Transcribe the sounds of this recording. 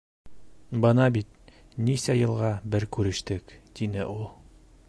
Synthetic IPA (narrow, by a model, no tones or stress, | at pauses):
bɤnɑbit̪̚nisæjɤ̆lˠʁɑbɘɾkʉɾɘ̆ʃt̪ɘkt̪inɘʔulˠ